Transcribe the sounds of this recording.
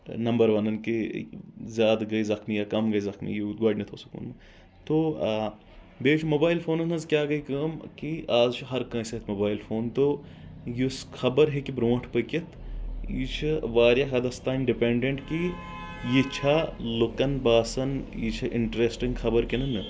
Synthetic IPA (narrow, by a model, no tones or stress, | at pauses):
nɐmbɐɾʋɐnɐnki | zjaːd̪ɡɐizɐkmijakɐmɡɐizɐxmḭjit̪ɡaːɖnɐt̪ʰoːsɐ̥kṵːnmɨ | t̪o | beːt͡ʃʰmoːbaːilfʰoːnɐnɐzkʲjaːɡɐikɐːmkiaːzt͡ʃʰɦɐɾkɐ̃ːsɐt̪ʰmoːbaːjilfʰoːnt̪o | jisxɐbɐɾɦekibɾõːʈʰpəkɐt̪ʰjit͡ʃʰiʋaːɾjaɦɐd̪ɐst̪aːɪɳɖipẽːɳɖeɳʈki | jit͡ʃʰaːlukɐnbaːsɐnjit͡ʃʰɐʔɪ̰ɳʈɾeːsʈĩŋɡxɐbɐɾkinɐnɨ